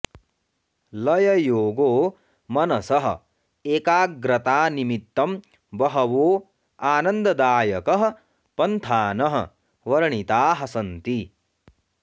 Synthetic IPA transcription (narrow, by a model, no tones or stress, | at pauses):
lɐjɐjoːɡoː | mɐnɐsɐɦɐ̰̆ | eːkaːɡɾɐt̪aːnimit̪ːɐm | bɐɦɐʋoː | aːnɐnd̪ɐd̪aːjɐkɐɦɐ̆ | pɐnt̪ʰaːnɐɦɐ̰̆ | ʋɐɾɐɳit̪aːɦɐsɐnt̪i